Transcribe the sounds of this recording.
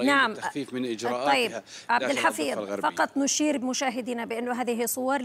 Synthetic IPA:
naʕamiːfmɪnʔɪd͡ʒt̪ˤːɑjːɪbʕab̪̚ɪlħafiːɾfɑqɑt̪ˤnʊʃiːɾbmʊʃaːɦɪd̪inabɪʔɪnːʊɦaːðɪɦisˤʊwɑɾˤ

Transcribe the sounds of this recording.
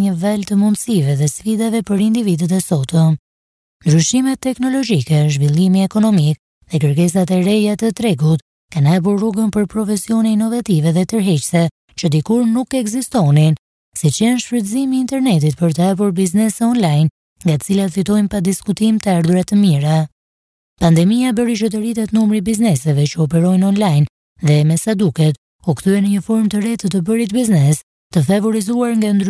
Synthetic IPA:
ɲəvalt̪əmund̪sivɛðɛsfid̪avɛpəɾind̪ivid̪ət̪ɛsɔt̪ɔ | nd̪ɾyʃimɛt̪ːɛknɔlɔd͡ʒikɛʒvilˠimiɛkɔnɔmik | ðɛkəɾkɛs̬at̪ɛɾɛjat̪ət̪ɾɛɡut̪ | kanhap̬uɾːuɡənpəɾpɾɔfɛsiɔnɛinɔvat̪ivɛðɛt̪əɾɦɛt͡ʃsɛ | t͡ʃəd̪ikuɾnukɛɡzist̪ɔnin | sit͡ʃɛnʃfət̪əzimiːnt̪ɛɾnɛt̪it̪pəɾt̪̬əap̬uɾbiznɛsɛɔnlajn | ŋɡaət͡silat̪fit̪ɔjnpad̪iskut̪imt̪əaɾd̪uɾat̪əmiɾa | pand̪ɛmijabəɾiʃət̪əɾit̪ɛt̪numɾibiznɛsɛvɛt͡ʃəɔpɛɾɔjnɔnlajn | ðɛmɛsad̪ukɛt̪ | ukθyɛnəɲəfɔɾmt̪əɾɛt̪ət̪əbəɾit̪biznɛs | t̪əfavɔɾizuaɾŋɡand̪ɾ

